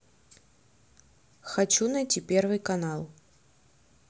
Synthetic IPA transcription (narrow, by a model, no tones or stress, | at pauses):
xat͡ɕunɐjtʲipʲɛrvɨjkanalˠ